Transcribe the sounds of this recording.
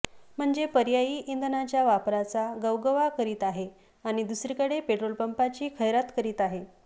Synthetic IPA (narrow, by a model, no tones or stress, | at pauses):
m̤əɳd͡zepəɾjajiːʔind̪ʱnat͡ɕjaʋapɾat͡saɡəwɡəʋakəɾiːt̪aɦe | aɽ̃id̪usɾikəɽepeʈɾolpəmpat͡ɕiːkʰəjɾat̪kəɾiːt̪aɦe